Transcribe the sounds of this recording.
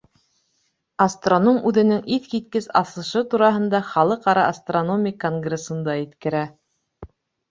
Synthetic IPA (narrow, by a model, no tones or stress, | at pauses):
ɐst̪ronomʉðɘ̆nɘŋʔiθkit̪kɘsɑsɤ̆ʃɤt̪uɾɑɦɤ̆nd̪ɑχɑlˠɤqɑɾɑːst̪ronomʲɪjkoŋɡrʲesɤ̆nd̪ɑit̪kɘ̆ɾæ